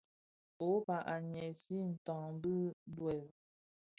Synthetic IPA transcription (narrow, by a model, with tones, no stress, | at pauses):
o˨˦pa˨ʔa˨ɲɛ˨si˦n̩˨tɔ̃˨ŋm˦bɯ˦bwɛ˨l